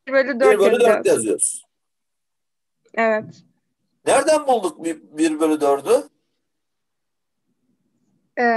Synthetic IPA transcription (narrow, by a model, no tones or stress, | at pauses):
ɾbølʲid̪iɾbølyd̪øɾd̪jazijo̰s | evɛt̪ | næɾd̪ænbulˠd̪uk̚bibiɾbølʲyd̪øɾd̪y | ɛ